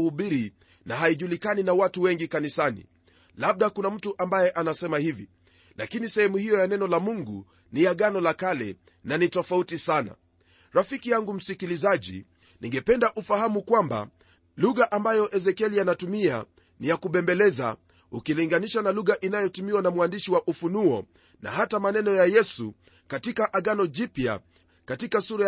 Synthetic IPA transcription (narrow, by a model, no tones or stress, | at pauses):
huɓiɾi | naɦaiʄulikaninawatuwɛŋɡikanisanḭ | laɓ̚ɗakunam̩tuʔambajɛʔanasɛmahivḭ | lakinisɛhɛmuhijɔjanɛnɔlamuŋɡu | nijaɠanɔlakalɛ̰ | nanitɔfautisana̰ | ɾafikijaŋɡum̩sikilizaʄḭ | nʔiŋɡɛpɛndaʔufahamukwamba̰ | luɣaʔambajɔʔɛzɛkɛlianatumia̰ | nijakuɓɛmbɛlɛza̰ | ukiliŋɡaniʃanaluɣaʔinajɔtimiwanamwandiʃiwaʔufunuɔ | na̰hatamanɛnɔjajɛsu | katikaʔaɠanɔʄipja̰ | katikasuɾa